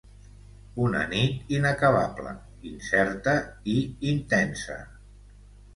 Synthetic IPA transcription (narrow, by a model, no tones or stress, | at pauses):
unə̰nit̪inəkəβa̰plə̰ | insɛɾt̪əiint̪ɛnsə̰